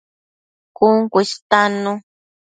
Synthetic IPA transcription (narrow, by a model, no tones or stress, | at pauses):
kuŋkʷest̪ano